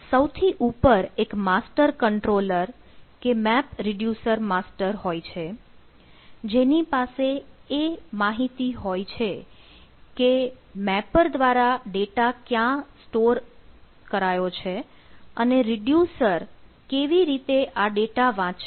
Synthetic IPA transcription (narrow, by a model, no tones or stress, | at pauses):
səwt̪ʰiʔupəɾekmasʈəɾkəɳʈɾoləɾ | kemɛpɾɪɖjusəɾmasʈəɾɦojt͡ʃʰe | d͡ʒenipaseemaɦit̪iɦojt͡ʃʰe | kemɛpəɾd̪ʋaɾaɖeʈakjãsʈoɾ | kəɾajot͡ʃʰe | əneɾɪɖjusəɾ | keʋiɾit̪eʔaɖeʈaʋãt͡ʃ